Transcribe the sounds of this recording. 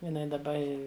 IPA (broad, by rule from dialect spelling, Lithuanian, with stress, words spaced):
jɪˈnɐɪ dɐˈbɐ ˈɪ